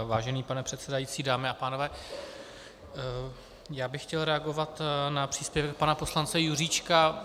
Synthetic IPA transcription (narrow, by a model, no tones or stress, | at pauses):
vaːʒɛniːpanɛpr̝̥ɛt̪sɛdajiːt͡siːdaːmɪapaːno̞vɛː | jaːbɪxcɛlɾɛaɡo̞vat̪napr̝̥iːspjɛvɛk̚panapo̞slant͡sɛjuriːt͡ʃka